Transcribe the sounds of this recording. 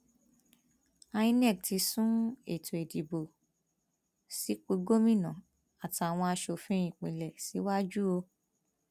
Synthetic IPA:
a˧jĩ˧˦nɛ̃˦˨k̚ti˧˦sũ˦e˦˨tʰo˨e˨di˨bo˨ | si˨˦k͡pi˧ɡo˦mĩ˦˨nã˨ | a˨ta˨w̃ɔ̃˧a˧ʃo˨fĩ˨˦ĩ˨k͡pĩ˨lɛ˨si˨˦wa˦d͡ʒu˦o˧

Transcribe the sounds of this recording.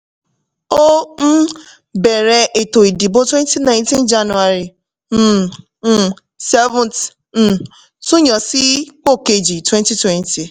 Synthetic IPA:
o˦m̩˦ | be˨ɾe˨ʔe˨to˨i˨di˨bo˦twɛ˦n˦ti˦nã˦ɪ̃˦ntĩ˦nd͡ʒa˦nu˨a˨ɾi˨ | m̩˦˨ | sɛ˦vʊ̃˨nt̩˨ | su˦ɲɔ˨si˦k͡po˦˨ke˨d͡ʒi˨twɛ˦nti˦twɛ˦nti˨

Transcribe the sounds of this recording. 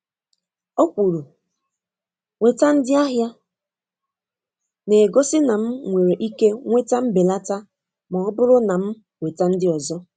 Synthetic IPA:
o˦kʷu˨ɾu˨ | we˨ta˦n̩˦dɪ˦a˦ɦja˦ | ne˨ɡo˦sɪ˦na˨m̩˦ŋʷe˨ɾe˨ʔi˦ke˦ŋʷe˦ta˦m̩˦be˨la˦ta˦ | mɔ˨ɔ˦bʊ˦ɾʊ˦na˨m̩˦ | we˨ta˦n̩˦dɪ˦ɔ˨zɔ˦

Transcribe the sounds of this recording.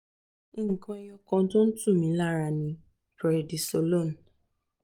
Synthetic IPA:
ĩ˦ŋ̩˨kɔ̃˦ɛ˧j̃ɔ˧kɔ̃˧˦to˦n̩˦tũ˦˨mĩ˨˦la˦ɾa˧˨nĩ˨˦ | pɛ˨di˨so˧lo˦˨n˨

